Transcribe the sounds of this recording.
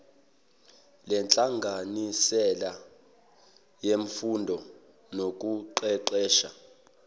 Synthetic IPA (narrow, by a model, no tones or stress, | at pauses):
lɛnt͡ɬʼaŋɡʱanisɛla | jeɱfundʱɔ | nok̬ʼuǃɛǃɛːʃa̰